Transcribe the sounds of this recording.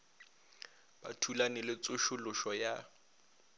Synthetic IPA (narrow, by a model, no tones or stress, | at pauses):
b̥a̰tʰulanɪlɪt͡sʼʊʃʊlʊʃɔja